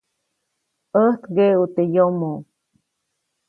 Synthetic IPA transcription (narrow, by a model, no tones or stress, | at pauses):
əht̪ɡeut̪ejomo